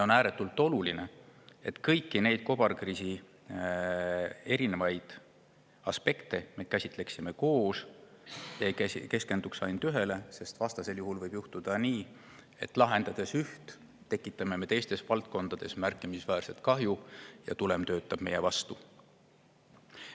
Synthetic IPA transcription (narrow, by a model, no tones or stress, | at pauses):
o̞næːɾe̞t̪ːˑult̪ːˑo̞luline̞e̞t̪kɤjkːine̞jd̪̥̚ko̞b̥ɑrkriːsi | e̞ɾine̞vɑjd̪̥ | ɑspe̞kt̪e̞me̞kæsʲit̪ˑle̞ksime̞ko̞ːs | jɑke̞ske̞nd̪uksɑjnd̪yɦe̞le̞se̞st̪vɑst̪ɑse̞ljuɦulvɤjb̥juht̪ud̪̥ɑniː | e̞t̪ːˑlɑɦe̞nd̪̥ɑd̪̥e̞syht̪ | t̪ːe̞kːˑit̪ːˑɑme̞me̞t̪e̞jst̪e̞svɑlt̪̚ko̞nd̪̥ɑd̪̥e̞smærkːˑimisvæːrse̞t̪̚kɑɦjujɑ̰t̪ule̞mt̪ø̞ːt̪ˑːɑb̥me̞je̞vɑst̪u